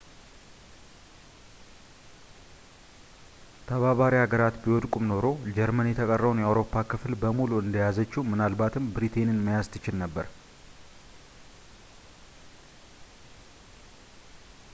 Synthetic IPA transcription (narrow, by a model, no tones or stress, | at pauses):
t̪ʰəβaβaɾihaɡəɾat̪biwɔd̪kʼumno̞ɾo̞d͡ʒɛɾmənjɛt̪ʰəkʼərːəβwnjɛawɾo̞pʰːakʰɨflbəmuluɨnd̪əjazət͡ʃːimɨnalbat̪ʰɨmbɾit̪ʰe̞nɨnməjast̪ʰɨt͡ʃɪlnəbːəɾ